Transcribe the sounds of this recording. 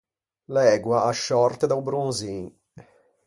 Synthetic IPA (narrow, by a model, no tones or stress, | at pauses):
lɛːɡwaʔaʃːɔrt̪ed̪awbɾunzin